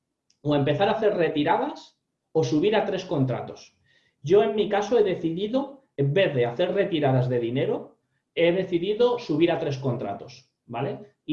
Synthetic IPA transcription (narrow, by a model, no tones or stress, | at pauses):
oe̞mpe̞θaɾaθe̞ɾre̞t̪iɾað̞as | o̞suβ̞iɾat̪ɾe̞sko̞nt̪ɾa̰t̪o̞s | ʝo̞e̞mːikasoeðe̞θiðiðo̞ | embe̞θðe̞aθe̞ɾre̞t̪iɾaðazðe̞ðine̞ɾo | e̞ðe̞θiðiðo̞suβ̞iɾat̪ɾe̞sko̞nt̪ɾa̰t̪o̞s | bale̞